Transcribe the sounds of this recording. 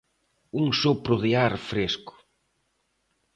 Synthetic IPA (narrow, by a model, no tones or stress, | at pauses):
uŋsopɾʊðeaɾfɾeskʊ̥